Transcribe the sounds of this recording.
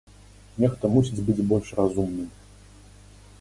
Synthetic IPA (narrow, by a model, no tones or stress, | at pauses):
nʲɛxt̪ɐmusʲid͡zʲbɨd͡zʲbɔlʲʂrazumnɨm